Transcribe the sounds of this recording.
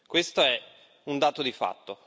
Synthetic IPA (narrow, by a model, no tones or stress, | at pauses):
kwest̪oɛ | und̪aːt̪od̪ifa̰t̪ːo